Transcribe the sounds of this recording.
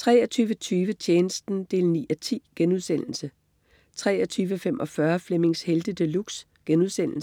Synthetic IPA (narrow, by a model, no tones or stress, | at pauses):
t͡sʰʁɛːɒt͡sʰyːʋət͡sʰyːʋət͡ɕʰeːnəsd̥n̩d̥e̝̰ːlnḭːɒt͡sʰḭːɡ̥enuðˠsen̰l̩sə | t͡sʰʁɛːɒt͡sʰyːʋəfemʔɒ̽fɶɐfleme̝ŋsheld̥əd̥əluɡ̥s | ɡ̥enuð̞̰ˠsen̰l̩sə